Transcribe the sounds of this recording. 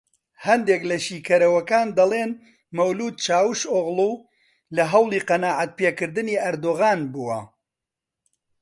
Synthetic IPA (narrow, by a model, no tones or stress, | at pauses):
hɐnd̪eːklɐʃiːkʰɐɾɐwɐkaːnd̪ɐlˠeːn | mɐwluːd̪̚t͡ʃaːwɨʃoɣlu | lɐɦɐwlˠiːqɐnaːʕat̪̚peːkɨɾd̪ɨniːʔɐɾd̪oːɣaːnbuːwɐ̰